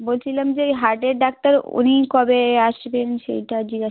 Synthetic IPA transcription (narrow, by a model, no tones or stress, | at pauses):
bolt͡ɕʰilamd͡ʑeɦaɾʈeɖɖak̚ʈaɾṵnikɔbeaʃbenʃḛjʈad͡ʑiɡa